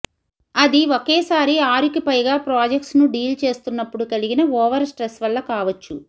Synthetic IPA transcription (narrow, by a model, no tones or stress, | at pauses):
ɐd̪iokeːsaːɾiaːɾikipɐjɡaːpɾaːd͡ʒek̚ʈsnuɖiːlt͡ʃe̞ːst̪unːɐpːuɽukɐliɡinɐoːʋɐɾsʈɾesʋɐɭːɐkaːʋɐt͡ʃːu